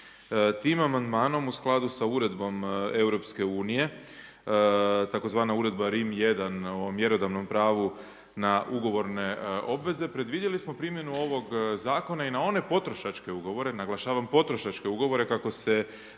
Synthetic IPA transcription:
t̪iːmamand̪maːno̞musklˠad̪usauɾe̞d̪bo̞me̞wɾo̞pske̞uːnije̞ | t̪ako̞zʋaːnauɾe̞d̪baɾimjed̪anomje̞ɾo̞d̪aʋno̞mpɾaːʋu | naʔuɡo̞ʋo̞ɾne̞o̞bʋe̞ze̞pɾe̞d̪ʋid̪jelismo̞pɾimje̞nuo̞ʋo̞ɡzaːko̞nainao̞ne̞po̞t̪ɾo̞ʃat͡ʃke̞uɡo̞ʋo̞ɾe̞naɡlˠaʃaːʋampo̞t̪ɾo̞ʃat͡ʃke̞uɡo̞ʋo̞ɾe̞kako̞se

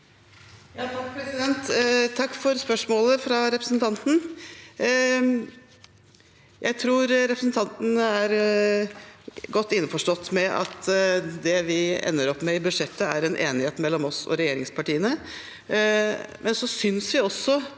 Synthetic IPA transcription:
jɑt̪ʰɑkpʰɾɛsɪd̪ɛnt̪t̪ʰːɑkːfɔɾspœʂmoːləfɾɑɾɛpɾəsn̩t̪ʰɑnt̪n̩ | jʔæɪt̪ʰɾuːɾɾɛpɾəsn̩t̪ʰɑnt̪n̩əæɾ | ɡɔt̪ːɪnːəfɔʂʈɔt̪ːmɛʔɑ̰t̪d̪ɛʋɪɛ̰nːəɾɔpːmɛɪbʉd̪ʂɛt̪ːəæɾɛnʔḛːnɪheːt̪mɛlːɔmɔsɔ̰ɾɛjeːɾɪŋspʰɑʈiːənə | mʔɛnsɔsʏnsʋɪɔsːɔ

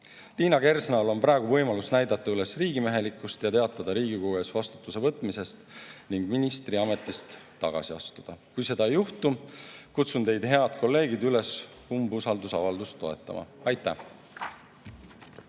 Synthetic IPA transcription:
liːnɑke̞rsnɑlo̞npɾɑeɡ̥uvɤ̞jmɑlusnæjd̪̥ɑt̪ːˑɑyle̞sriːɡime̞ɦe̞likːˑust̪jɑt̪e̞ɑt̪ːˑɑd̪̥ɑɾiːɡ̥ikouesvɑst̪u̥t̪ːˑuse̞vɤt̪ːˑmise̞st̪niŋɡ̥minist̪riɑme̞t̪ːˑist̪ːɑɡ̥ɑ̰siɑst̪ud̪̥ɑkujse̞d̪ɑejːuht̪ukut̪sunt̪e̞jd̪̥he̞ɑd̪̥ko̞lːe̞ːɡ̥id̪yle̞s | humbusɑld̪usɑvɑld̪ust̪ːo̞e̞t̪ːˑɑ̰mʔɑ̰ɑjt̪ːˑæ

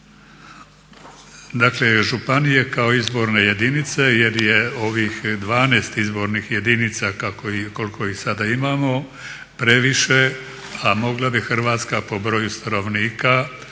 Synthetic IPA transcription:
d̪akle̞ʒupanijekao̞izbo̞ɾne̞je̞d̪init̪se̞je̞ɾje̞o̞ʋixd̪ʋaːneːst̪izbo̞ɾnixje̞d̪init̪sakakoko̞lkʰo̞ixsad̪aimamo̞ | pɾe̞ʋiʃe̞ | amo̞ɡlˠabixr̩ʋaːt̪skapo̞bɾo̞just̪ano̞ʋniːka

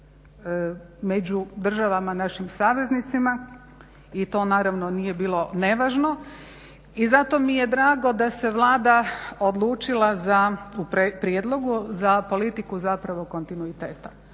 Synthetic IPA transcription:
me̞d͡ʑud̪r̩ʒaʋamanaʃimsaːʋe̞znit̪sima | it̪o̞ːnaːɾaʋno̞nije̞biːlˠo̞ne̞ʋaːʒno̞ | izat̪o̞mije̞d̪ɾaːɡo̞d̪ase̞ʋlˠaːd̪aod̪lˠuːt͡ʃilˠazaupɾepɾjed̪lˠo̞ɡuzapo̞lit̪ikuzapɾaʋo̞ko̞nt̪inuit̪eːt̪a

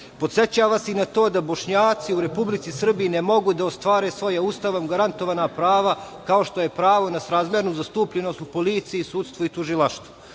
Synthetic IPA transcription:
po̞t̪set͡ɕaːʋaseinat̪o̞ːd̪abo̞ʃɲaːt̪siuɾe̞publit̪sisr̩bijinemo̞ɡud̪aost̪ʋaːɾesʋo̞jaust̪aʋomɡaɾant̪oʋaːnapɾaːʋa | kaoʃt̪o̞je̞pɾaːʋo̞nasɾaːzmjeɾnuzast̪uːpʎenost̪upolit̪sijisuːdt̪st̪ʋoit̪uʒilˠaʃt̪vo

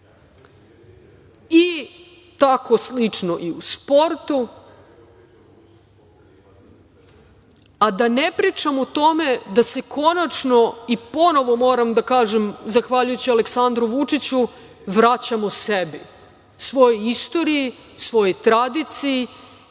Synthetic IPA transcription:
i | t̪ako̞slit͡ʂno̞ʔiuspo̞ɾt̪u | ad̪ane̞pɾiːt͡ʃamot̪o̞me̞d̪ase̞kʰo̞nat͡ʃno̞ipo̞no̞ʋo̞mo̞ːɾamd̪akaːʒemzaxʋaʎujut͡ɕialeksand̪ɾuʋut͡ʂit͡ɕu | ʋɾat͡ɕamosebi | sʋo̞jojist̪o̞ɾiji | sʋo̞jojt̪ɾad̪it̪siji

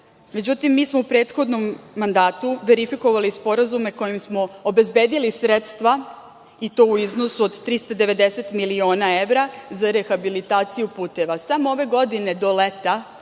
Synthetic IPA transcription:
me̞d͡ʑut̪imːiːsmoupɾe̞ːt̪xo̞d̪no̞mːand̪aːt̪uʋe̞ɾifiko̞ʋalispo̞ɾazume̞ko̞jimsmo̞obe̞zbe̞ːd̪ilisɾet̪st̪ʋa | it̪o̞ːuizno̞suod̪t̪ɾist̪ad̪e̞ʋe̞d̪e̞se̞t̪milio̞ːnae̞ʋɾazaɾe̞xabilit̪aːt̪sijupuːt̪e̞ʋasamooʋe̞ɡo̞d̪ine̞d̪o̞le̞t̪a

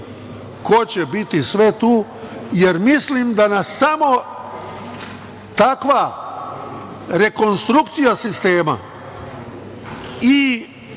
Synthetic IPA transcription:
ko̞t͡ɕebit̪isʋe̞t̪uː | je̞ɾmislimd̪anasːamo̞ | t̪akʋa | ɾe̞ko̞nst̪ɾukt̪sijasist̪eːma̰ | i

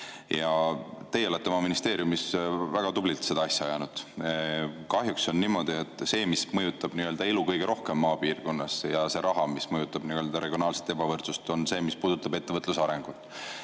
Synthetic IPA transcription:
jɑt̪e̞jeo̞let̪ːeomɑminist̪e̞ːɾjumisvæɡ̥ɑd̪ublilt̪se̞d̪ɑɑsʲjɑjæːnud̪̥ | kɑɦjukso̞nːiːmo̞d̪̥iet̪ːˑse̞ːmismɤjut̪ːˑɑb̥niø̞ld̪̥ɑelukɤjɡ̥e̞ɾo̞hkemːɑːpiːrɡ̥o̞nːɑsjɑse̞ɾʔɑɦɑmismɤjut̪ːˑɑb̥niø̞ːld̪̥ɑɾʔe̞ɡ̥ʲionɑːlset̪ːˑe̞bɑvɤrt̪sust̪o̞nse̞ːmispuːd̪̥ut̪ːˑɑbe̞t̪ːevɤt̪ːˑlusɑɾe̞ŋɡ̥ut̪ːˑ

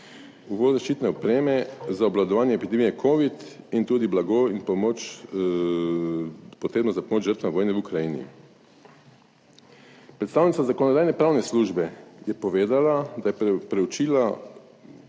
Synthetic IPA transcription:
uʋoːd̪zaʃt͡ʃiːt̪nɛɔpɾeːmɛzaɔblad̪ɔʋaːnjɛːpid̪ɛmijɛkʰoːʋit̪int̪uːd̪iblaɡoinpomot͡ʃ | pɔt̪ɾeːbnɔzapomoːd͡ʒʒəɾt̪ʋaʋoːjnɛʋukɾajiːnḭ | pɾɛt̪saːwnit̪sazakɔnɔd̪aːjnɛpɾaːwnɛsluʒbɛjɛpɔʋeːd̪alad̪ajɛpɾɛwt͡ʃiːla

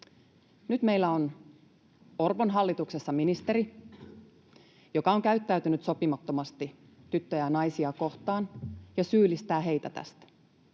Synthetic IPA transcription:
nyt̪me̞ijlːæon | orʋonɦɑlːit̪uksesːɑminist̪eɾi | jo̞kɑoŋkæyt̪ːæyt̪ynyt̪so̞pimɑt̪ːo̞mɑst̪i | t̪yt̪ːøjænɑjsiɑko̞ht̪ɑːnjɑsyːlist̪æːɦe̞jt̪æt̪æ̰st̪æ

